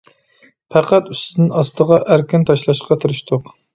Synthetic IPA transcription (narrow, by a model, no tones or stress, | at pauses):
pʰæqæt̪y̥st̪ɪd̪ɪnɑst̪ʰəʁɑʔæɾkʲɪnt̪ʰɑʃlˠɑʃqɑt̪ʰuɾɨʃt̪ʰʊq